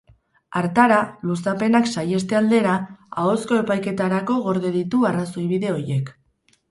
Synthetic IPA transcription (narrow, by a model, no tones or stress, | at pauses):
aɾt̪aɾalusape̞naksaje̞st̪e̞ald̪e̞ɾaao̞sko̞e̞pajke̞t̪aɾako̞ɣo̞ɾðe̞ðit̪uarasojβiðe̞o̞je̞k